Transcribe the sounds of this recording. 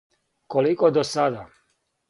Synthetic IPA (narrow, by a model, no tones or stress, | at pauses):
kolikɔd̪ɔsad̪a